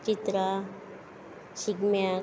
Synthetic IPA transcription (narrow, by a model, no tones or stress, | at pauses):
t͡ʃit̪ɾa | ɕiɡmja